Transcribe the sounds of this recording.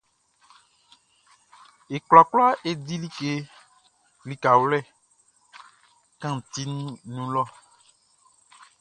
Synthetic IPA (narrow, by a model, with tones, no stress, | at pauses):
e˨kla˨kla˦ʔe˦di˦li˦ke˦ | li˨ka˨wlɛ˦˨ | kã˦˨t̪i˦nũ˦nũ˦lɔ˦˨